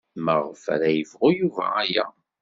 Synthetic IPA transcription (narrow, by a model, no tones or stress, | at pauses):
məʁfæ̰ɾæjəvʁʊjuvæ̰æjæ̰